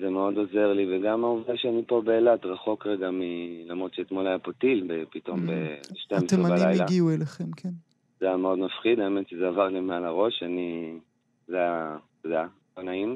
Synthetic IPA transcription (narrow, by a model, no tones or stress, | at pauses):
zemeo̞d̪o̞ze̞ʁliveɡamaovdaʃeanipo̞beːlat̪ʁaχo̞kʁeɡamilamʁo̞t̪ʃeːt̪mo̞lajapotilbepito̞mbebeʃtemeibalajlaɡiueleχemkʰen | zejameo̞d̪mafχid̪aeme̞tʃezeavaʁlimealaʁo̞ʃani | zeat̪od̪ɛja | anaim